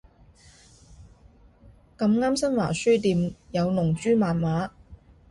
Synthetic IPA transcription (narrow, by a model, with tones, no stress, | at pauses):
kɐ˧mŋaː˥msɐ˥nwaː˨˩syː˥t̪iː˧mjɐ˨˧wnʊ˨˩ŋt͡ʃyː˥maː˨nmaː˨˥